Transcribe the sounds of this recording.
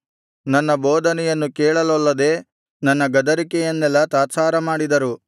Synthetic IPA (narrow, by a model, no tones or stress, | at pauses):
nɐnːɐbɔːd̪ʱɐnɛjɐnːukeːɭɐlɐlːɐd̪e̞ː | nɐnːɐɡɐd̪ɐɾikɛjɐnːɛlːɐt̪aːt͡ʃaːɾɐmaːɽid̪ɐɾu